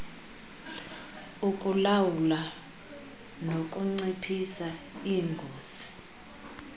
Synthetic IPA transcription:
ukʼulawula | nokʼuŋ͡ǀipʰisa | iːŋɡʱoːsi̥

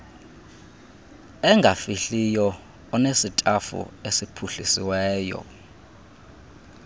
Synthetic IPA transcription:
ɛŋɡʱafiɬijɔ | ɔnesitʼafṵesipʰuɬisiwɛːjɔ̰

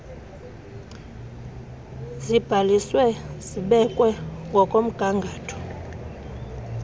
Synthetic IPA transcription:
zib̥ʱaliswɛz̥iɓɛkʼwɛŋɡʱɔkʼom̩ɡ̥ʱaŋɡʱaːtʰɔ̥

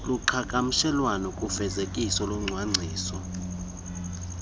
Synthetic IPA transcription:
luǃʰakʼam̩ʃɛlwanɔkʼufɛzekʼisɔlɔŋ͡ǀʱwaŋ͡ǀʱiːsɔ

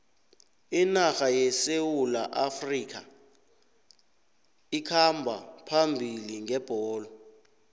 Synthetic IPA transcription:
inaxajɛsewula̰ʔafriːk̬ʰa̰ | ikʰambʱa̰pʰambʱiliŋɛb̥ʱɔːlɔ

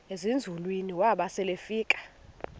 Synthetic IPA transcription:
ezind͡zʱulwiniwaɓasɛlefiːkʼḁ

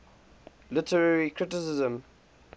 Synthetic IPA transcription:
lɪtʰəɹaɹikʰɹɪtɪsɪzə̃m

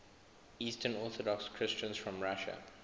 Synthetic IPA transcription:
iːstə̃nɔˑθɔdɔkskʰɹ̥ɪst͡ʃə̃nz̥fɹə̃mɹaʃə̰

